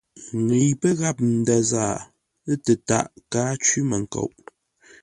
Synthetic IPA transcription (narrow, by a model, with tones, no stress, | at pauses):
ŋə˨jpə˦ɣa˦˨p̚n̩˨da˨zaː˦˨ | ə˦tə˨ta̰˦˨ʔkaː˦t͡ʃi˦mə˨ŋ˨ko̰˨wʔ